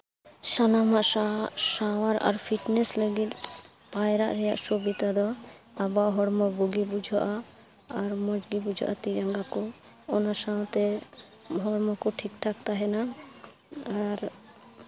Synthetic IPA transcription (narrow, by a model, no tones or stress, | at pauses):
sanamaʔasawaɾa̰ɾpʰiʈnɛsləɡit̪ | pajɾa̰ʔɾɛjaʔsɔbit̪ad̪ɔ | abaɦɔɽmɔbɔɡibud͡ʒʱɔʔaː | ɾmɔd͡ʒɡibud͡ʒʱɔ̰ʔa̰t̪id͡ʒaŋɡakɔ | ɔnasaw̃t̪ɛ | ɦɔɽmɔkɔʈʰikʈʰak̚t̪aɦɛna | aɾ